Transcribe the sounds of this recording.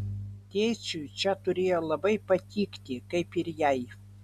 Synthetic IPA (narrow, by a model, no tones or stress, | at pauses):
t̪ʲejt͡sʲut͡ʃʲɛt̪ʊɾʲeːjolˠɐbɐɪpɐt̪ʲiːkt̪ʲɪkɐɪpɪɾjɛj